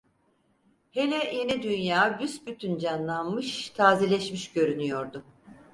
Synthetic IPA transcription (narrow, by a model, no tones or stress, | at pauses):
he̞lʲɛjenɛd̪ynjaːbysbyt̪ʰynd͡ʒanlˠanmɯʃt̪ʰaːzelʲɛʃmiʃɟø̞ɾynyjo̞ɾd̪ʊ